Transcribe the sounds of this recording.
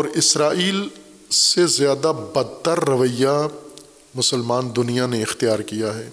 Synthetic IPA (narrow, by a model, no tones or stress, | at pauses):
ɔːɾɪsɾaːiːl | sezjaːd̪abɐd̪̚t̪əɾːɐʋəja | mʊsəlmaːnd̪ʊnijaneɪxt̪ijaːɾkijaɦɛː